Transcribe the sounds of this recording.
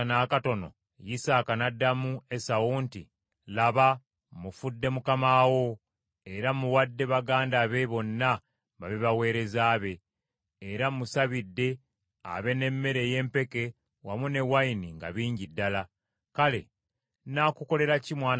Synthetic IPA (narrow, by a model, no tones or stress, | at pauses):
naːkato̞no̞̰ | jisaːkanadːamue̞sawuːnti | laβa | mufudːe̞mukamaːwo̞ | e̞ɾamuwadːe̞βaɡaːndaːβe̞βo̞nːa | βaβiβawe̞ːɾe̞zaːβe̞ː | ɾamusaβidːe̞ | a̰βe̞ne̞mːe̞ɾeje̞ːmpe̞ke̞ | wamune̞wainiŋɡa̰βiːɲɟidːala | kale̞̰ | nakuko̞le̞ɾacimwaːn